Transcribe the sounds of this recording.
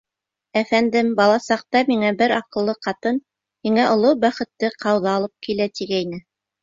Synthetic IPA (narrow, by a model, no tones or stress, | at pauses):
æfænd̪ɘmbɑlˠɑsɑq̚t̪ɑmiŋæbɘɾɑqɤ̆lˠːɤqɑt̪ɤn | miŋæʔŏlˠobæχɘ̆t̪ːɘqʰɑwðɑːlˠɤp̚kilæt̪iɡæjnɘ